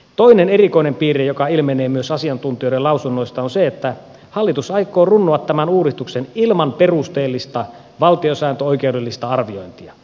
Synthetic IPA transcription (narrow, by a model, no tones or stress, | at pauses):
t̪oinenerikoinempiːɾejokɑilmeneːmyøsɑsiɑnt̪unt̪ijoɾelɑusunːoist̪ɑonseet̪ːæ | hɑlːit̪usɑikːˑoːrunːuɑt̪ːæmænuːɾist̪uksenilmɑnperust̪eːlːist̪ɑ | ʋɑlt̪iosæːnt̪øoikeudelːist̪ɑɑrʋioint̪iɑ